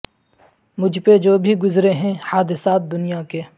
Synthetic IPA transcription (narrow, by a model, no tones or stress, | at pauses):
mʊd͡ʒʱped͡ʒoːbʱiɡʊzɾeɦɛ̃haːd̪ɪsaːt̪̚d̪ʊnijakeː